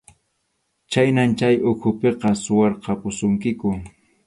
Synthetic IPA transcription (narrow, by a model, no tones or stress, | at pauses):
t͡ʃajnant͡ʃajʔʊkʰʊpeqɑsʊwɑɾqɑpʊsʊŋkɪkʊ